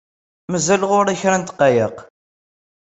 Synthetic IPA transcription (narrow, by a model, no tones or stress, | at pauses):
məzælʁʊɾaçɾænt̪qːɑjəq